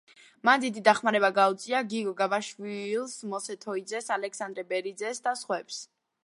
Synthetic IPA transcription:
mand̪id̪id̪aχmaɾɛbaɡaut̪sʼiaɡiɡɔɡabaʃwilˠsmɔsɛt̪ʰɔid̪zɛsalɛksand̪ɾɛbɛɾid̪zɛsd̪asχwɛps

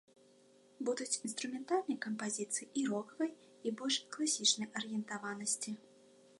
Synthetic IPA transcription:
bud̪ut͡sʲinst̪ɾumʲɛnt̪alʲnɐjkɐmpazʲit̪sɨjiʔiɾɔkɐvɐj | ibɔlʲʂklˠasʲit͡ʂnɐjɐɾɨjɛnt̪avanɐsʲt͡sʲi

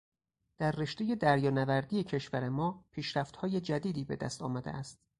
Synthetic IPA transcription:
d̪̥æɾːe̞ʃt̪eje̞d̪æɾjɒːnævæɾd̪iːje̞cʰe̞ʃvæɾe̞mɒːpʰiːʃɾæft̪hɒːje̞d͡ʒæd̪iːd̪iːbe̞d̪æ̰st̪ɒ̰ːmæd̪ḛʔæst̪̚

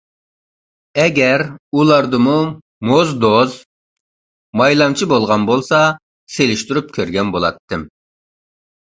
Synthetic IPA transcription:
ɛɡʲɛɾulˠɑɾd̪ɨmu | mozd̪oz | mɑjlˠɑmt͡ʃʰibolˠʁɑnbolˠsɑ | selɪʃt̪yɾyp̚kʲʰøɾɡʲɛnbolˠɑ̰t̪ʰːɨm

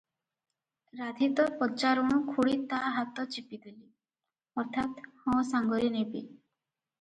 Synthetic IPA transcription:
ɾad̪ʱit̪ɔpɔt͡ʃaɾuɽ̃ũkʰuɽit̪aɦat̪ɔt͡ʃipid̪ili | ɔɾt̪ʰat̪hɔ̃saŋɡɔɾinebḭ

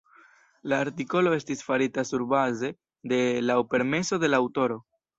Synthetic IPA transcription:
laːɾtiko̞lo̞e̞stisfaɾitasuɾbaze̞ | de̞laope̞ɾme̞so̞de̞laːwto̞ɾo̞

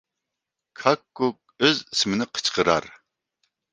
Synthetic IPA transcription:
kʰɑkːuk̚øzismɪnɪqʰə̥t͡ʃqʰəɾɑ̰ɾ

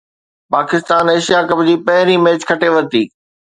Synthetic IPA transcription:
paːkɪst̪aːneːʃijakɐbd͡ʑiːpɐɦɪɾimeːt͡ɕkʰɐʈeʋɐɾt̪iː

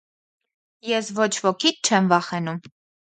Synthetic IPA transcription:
jɛsvɔt͡ʃʰvɔkʰit̚t͡ʃʰɛmvɑχɛnum

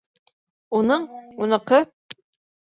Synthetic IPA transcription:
unɤɴunɤ̆qɤ

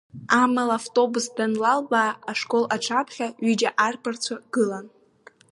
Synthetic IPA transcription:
amalaftʼo̞busdanlalbaːʂkʼo̞laʈ͡ʂʰapʰχʲaɥid͡ʒaʔarpʰart͡sʷʰaɡ̥ɨlan

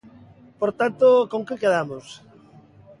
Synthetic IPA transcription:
poɾt̪ant̪okoŋkɪkeðamos

